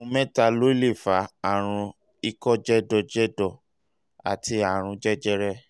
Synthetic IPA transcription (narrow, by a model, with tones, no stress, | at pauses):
ũ˧mɛ̃˦ta˧lo˦i˦le˦˨fa˨˦a˦˨ɾ̃ũ˧ | i˦kɔ˦d͡ʒɛ˦dɔ˧˨d͡ʒɛ˦dɔ˦˨ | a̰˨tʰi˧a˨ɾ̃ũ˧d͡ʒɛ˦d͡ʒɛ˦ɾɛ˦